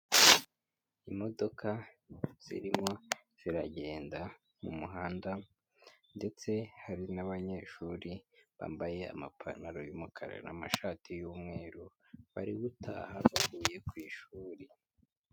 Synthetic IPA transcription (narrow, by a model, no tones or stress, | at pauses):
imo̞do̞kʰaz̥ḭɾimŋo̞z̥iɾaɟe̞ːnda | mumuɦaːnda | nde̞t͡se̞haɾinaβaɲe̞ʃuːɾiβa̰ːmbaje̞a̰ma̰pʰa̰naɾojumukʰaɾa̰na̰maʃaːtʰijuːmŋe̞ːɾu | βa̰ɾiɡutʰa̰ːhaβaɡiːje̞kwiːʃuːɾi